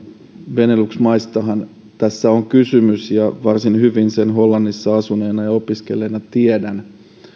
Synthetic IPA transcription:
ʋe̞nelyksmɑjst̪ɑɦɑn | t̪æsːæoŋkysymysjɑʋɑrsinhyʋinsenɦo̞lːɑnːisːɑɑsuneːnɑjɑo̞piske̞lːˑeːnɑt̪iedæn

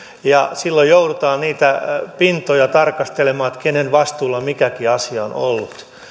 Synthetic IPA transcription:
jɑsilːojjoudut̪ɑːnniːt̪æpint̪ojɑt̪ɑrkɑst̪elemɑːet̪kenenʋɑst̪uːlːɑmikækiɑsiɑono̰lːut̪

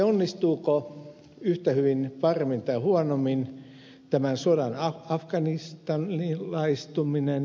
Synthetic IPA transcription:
onːist̪uːko | yht̪æhyʋinpɑremːint̪ɑihuɑnomːin | t̪æmænsodɑnɑɑfkɑnist̪ɑnilːɑist̪uminen

